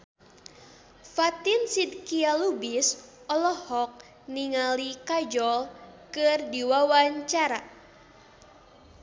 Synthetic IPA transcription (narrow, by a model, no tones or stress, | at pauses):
fat̪insid̚kialubis | ɔlɔhɔk̚ | niŋalikad͡ʒɔlkɨrdiwawaɲt͡ʃaɾa